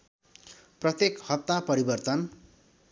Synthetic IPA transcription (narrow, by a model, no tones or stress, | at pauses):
prʌt̪jekhʌt̚t̪ːapʌɾibʌrt̪ʌn